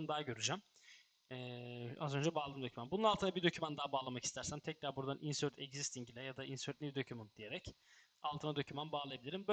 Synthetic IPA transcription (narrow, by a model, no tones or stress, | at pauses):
nd̪aɦaɟø̞ɾyd͡ʒæm | ɛazø̞nd͡ʒɛbaːlˠadɯmd̪ø̞cʰymænbununalˠt̪ʰɯnabiɾd̪ø̞cʰymænd̪aːbaːlˠamaci̥st̪ʰæɾsæmt̪ʰɛc̚lʲaɾbuɾd̪anʔinsøɾt̪ʰɛɟzist̪ʰiɲɟilʲɛjad̪ainsøɾt̪nʲivid̪ø̞cʰymund̪̥ije̞ɾɛc | alˠt̪ʰɯnad̪ø̞cʰymænbaːlˠɯjabiiɾimbø